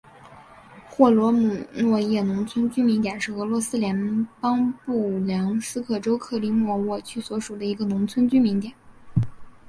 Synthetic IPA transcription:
xwɔ˥˩lwɔ˧˥mu˨˩nwɔ˥˧jɛ˥˩nʊ˧˥ŋt͡sʰwə˥nt͡ɕy˥mi˧˥ŋt̪jɛ˨˩nʂɻ̩˥˩ɤ˧˥lwɔ˧˥sɹ̩˥ljɛ˧˥npɑ˥ŋpu˥˩ljɑ˧˥ŋsɹ̩˥kʰɤ˥˩ʈ͡ʂo˥ʊkʰɤ˥˩li˧˥mwɔ˥˩wɔ˥˩t͡ɕʰy˥˩swɔ˧˥ʂu˨˩d̪ə˦i˧˥ɡə˧nʊ˧˥ŋt͡sʰwə˥nt͡ɕy˥nmi˧˥ŋt̪jɛ˨˩˦n

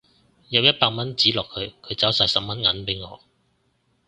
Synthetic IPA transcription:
jɐ˨˧wjɐ˥t̚paː˧k̚mɐ˥nt͡siː˨˥lɔː˨kʰɵ˨˧ɥkʰɵ˨˧ɥt͡sɐ˨˥wsaː˧jsɐ˨p̚mɐ˦˥nŋɐ˨˥npe˨˥jŋɔ̰ː˨˧

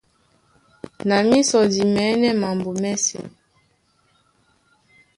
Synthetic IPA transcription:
na˨mi˦sɔ˨di˨mɛ˨˦nɛ˦ma˨mbo˨mɛ˦sɛ̰˨

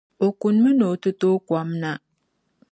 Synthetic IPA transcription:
o˨ku˨nmə˦no˨tə˦to˦kwa˦mna˦

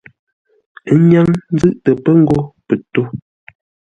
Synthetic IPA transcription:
ɲa˦ŋn˦zɨ˦˨ʔtə˨pə˦ŋ̩˦ɡo˦pə˨to˦

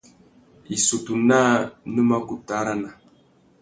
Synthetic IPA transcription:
i˨su˨tu˨na˦nə˦ma˦ku˨ta˦ɾa˦na˨

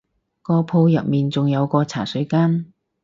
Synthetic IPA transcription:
kɔː˧pʰo˧wjɐ̰˨t̚miː˨˩nt͡sʊ˨ŋjɐ˨˧wkɔː˧t͡sʰa̰ː˨˩sɵ˨˧ɥkaː˥n

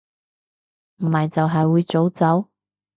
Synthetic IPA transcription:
m̩˨˩hɐ˨jt͡sɐ˨wɦɐ˨jwuː˨˧jt͡so˨˥wt͡sɐ˨˥w

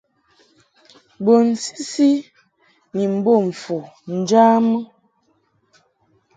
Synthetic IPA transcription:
bo˨n̩˨si̥˦si˦ | ni˨m̩˨bo˦˨ɱ̩˨fu˨n̩˨d͡ʒa˦mə˦

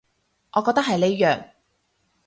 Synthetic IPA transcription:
ʔɔː˨˧kɔː˧k̚t̪ɐ˥khɐ˨jle˨˧jjœː˨ŋ

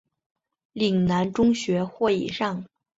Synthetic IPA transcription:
li˨˩ŋna˧˥nʈ͡ʂʊ˥ŋɕɥɛ˧˥xwɔ˥˩ḭ˨˩ʂɑ˥˩ŋ

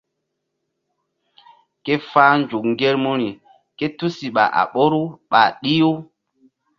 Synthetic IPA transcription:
ke˦faː˦nd͡ʒu˨kŋɡe˦ɾmu˦ɾi˨ | ke˦tu˦si˨ɓa̰˨ʔa̰˨ɓo˦ɾu˦ɓa̰˨ɗi˦ju˦

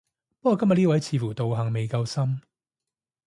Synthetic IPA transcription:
pɐ˥kɔː˨˧kɐ˥mjɐ˨t̚liː˥wɐ˨˥jt͡sʰiː˨˧fuː˨˩t̪o˨wɦɐ˨ŋme˨jkɐ˧wsɐ˥m

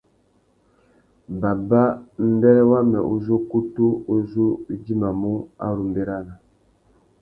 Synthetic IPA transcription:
ba˨ba˦n̩˦dɛ˦ɾɛ˦wa˦mɛ˨ʔo˦zo˦ku˦tu˦o˦zo˦d͡ʒi˦ma˨mu˦a̰˦ɾu˨mbe˦ɾa˦na˨

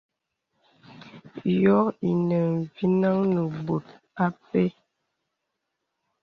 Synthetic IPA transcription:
jɔ˦i˨nə˨n˨vi˦na˦ŋnə˨bo˨t̚ | a˦pe˦

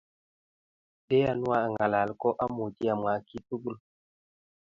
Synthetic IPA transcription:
de˦ja˨nu˦a˦˨ŋɡa˨la˨lkɔ˦ʔa˦mu˨ti˦ja˨mwa˨˦ki˦tu˦ɡu˦˨l

